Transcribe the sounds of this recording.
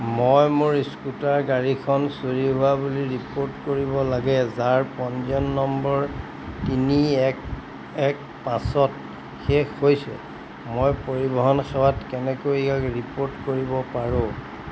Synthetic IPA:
mojmʊɹiskutaɹɡaɹikʰɔnsoɹiɦʊwabuliɹipoɹtkoɹibɔlaɡɛzaɹpɔnzɔnːɔmbɔɹ | tiniɛk | ɛk | pãsɔt | xexojsɛ̰ | mojpoɹibɔɦɔnxʰawatkɛnɛkojkakɹipoɹtkoɹibɔpaɹʊ̃

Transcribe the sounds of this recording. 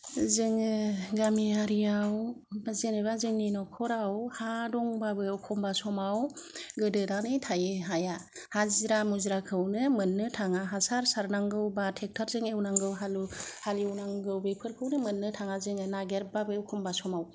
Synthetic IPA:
zɯŋɯɡamiaɾijawbazeneβazɯŋninɔkʰɔɾawhadɔŋbabɯwkʰɔmbasɔmawɡɯdɯnanɯjtʰajɯɦajahazɾamuzɾakʰɯwnɯmɯnːɯtʰaŋaɦasaɾsaɾnaŋɡɯwbatʰek̚tʰaɾzɯŋewnaŋɡɯwɦaluhaliwnaŋɡɯwbepʰɯɾkʰɯwnɯmɯnːɯtʰaŋazɯŋɯnaɡeɾbabɯwkʰɔmbasɔmaw

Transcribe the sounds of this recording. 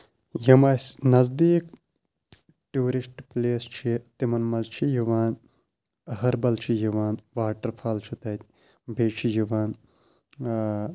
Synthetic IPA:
jɐmɐsnɐzd̪iːk | ʈuːɾisʈpleːst͡ʃʰit̪imɐnmɐlt͡ʃʰijiʋaːn | ɐhɐɾbɐlt͡ʃʰijiʋaːnʋaːʈɐɾpʰaːlt͡ʃʰit̪ɐt̪̚ʲ | bʱeːt͡ʃʰijiʋaːn

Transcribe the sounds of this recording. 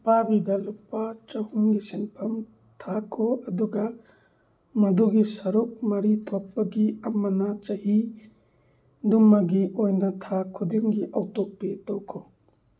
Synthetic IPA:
pabidɐlupat͡ʃɐhuŋɡisinpʰɐm | tʰakʰɔɐduɡɐ | mɐduɡisɐɾuk̚mɐɾitʰopːɐɡiɐmɐnat͡ʃɐhi | dumːaɡiʔojnɐtʰakʰudiŋɡiʔɐwtok̚petɔwkʰɔ

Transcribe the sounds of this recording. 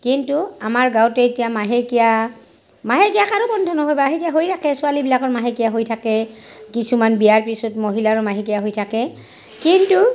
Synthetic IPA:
kintuamaɹɡawtɛetijamaɦekija | maɦekijakaɹobɔndʱɔnɔɦojbaɦekijaɦojtʰakɛsʊalibilakɔɹmaɦekijaɦojtʰakɛ | kisumanbijaɹpisutmoɦilaɹɔmaɦek̬ijaɦojtʰakɛ | kintu

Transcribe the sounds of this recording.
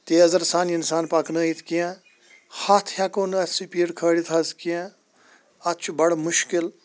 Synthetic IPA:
t̪eːɐzɐɾsaːniinsaːnpaknəːit̪ʰkijã | hat̪ʰhakoːnɐsipiːɽkʰəːɽit̪ʰɐzkijã | ɐt̪t͡ʃʰubɐɽmʊʃkɪl

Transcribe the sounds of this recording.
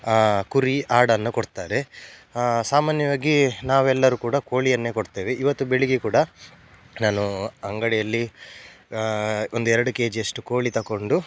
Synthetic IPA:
kuɾiʔaːɽɐnːukoɽt̪aːɾe̞ | saːmaːnjɐʋaːɡinaːʋuɛlːɐɾuːkuːɽɐkoːɭijɐnːe̞ːkoɽt̪eːʋeʔiʋɐt̪ːubeɭiɡekuːɽɐ | naːnuɐŋɡɐɽɛjɐlːi | ond̪uɛɾɐɽukeːd͡ʒiɐʂʈuko̞ːɭit̪ɐko̞ɳɖu

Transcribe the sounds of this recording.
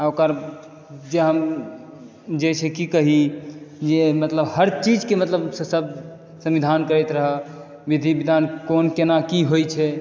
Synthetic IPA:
aokəɾ | d͡ʒeɦəm | d͡ʒet͡ʃʰɛkikəɦid͡ʒemət̪ləbhəɾt͡ʃid͡ʒkemət̪ləbssəb̚ | sə̃mʋid̪ʱankəɾɛt̪ɾəɦə | ʋid̪ʱibid̪ʱankonkenakiɦojt͡ʃʰɛ

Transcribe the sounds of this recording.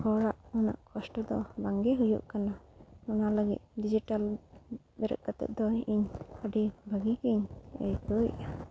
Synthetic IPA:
hɔɽaʔɔna̰ʔkʰɔsʈɔd̪ɔbaŋɡɛɦujṵʔkanaɔnaləɡḭt̪̚ɖid͡ʒiʈal | bɛɾə̰ʔ̪̚kat̪ɛ̰ʔ̚d̪ɔiɲaɖibʱəɡikiɲə̰jt̪ɔ̰ʔa

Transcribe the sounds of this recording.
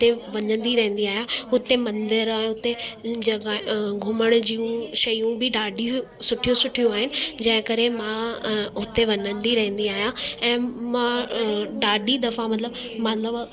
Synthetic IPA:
t̪eʋɐɲə̃nd̪iɾɐɦə̃n̆d̪iaːɦijãʊt̪emɐ̃nd̪ɪɾ̃ʊt̪ed͡ʑɐɡaɡʱʊməɽ̃ʊd͡ʑiːũʃɐjũbɪɖaːɖi | sʊʈʰijũsʊʈʰijũaːɦɪnɪ̆d͡ʑɐ̃ɦɪ̃kɐɾemãʊt̪eʋɐɲə̃nd̪iɾɐɦə̃n̆d̪iaːɦijãɛ̃ːmãɖaːɖid̪ɐfãmɐt̪ləbmɐt̪ləb

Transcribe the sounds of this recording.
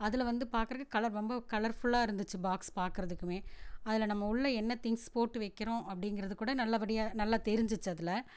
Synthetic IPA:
ɐðɪlɐʋɐnd̪ɯpaːɾkɯɾɐɣɐkɐlɐɾɾɔmbɐkɐlɐɾfʊɭːaːɪɾɯnd̪ɯt͡ʃːɯbaːkspaːɾkɯɾɐðɯkːɯmeːɐðɪlɐnɐmːɐʊɭːɐɛnːɐt̪ɪŋspoːʈːɯʋɐɪkːɪɾõːʔɐpːɐɽɪŋɡɪɾɐðɯkːuːɽɐnɐlːaːʋɐɽɪjaːnɐlːaːt̪ɛɾɪɲd͡ʒɯt͡ʃːɯɐðɪlɐ

